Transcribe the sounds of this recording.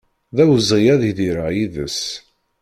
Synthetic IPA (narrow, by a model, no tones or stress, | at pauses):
ðæwəzˤʁijæðiðiɾajiðə̰s